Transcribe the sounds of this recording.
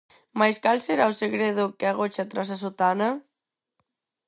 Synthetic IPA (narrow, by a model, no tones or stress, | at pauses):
majskalseɾaoseɣɾeð̞ʊkeaɣ̞ot͡ʃat̪ɾas̬asot̪ana